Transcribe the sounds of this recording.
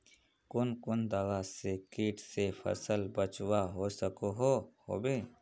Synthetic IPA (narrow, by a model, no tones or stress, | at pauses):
kʊnkʊnd̪ɐɣasekiːʈʰsepʰə̰səlbət͡ʃwaɦoːsəkoɦoho̰ːbeː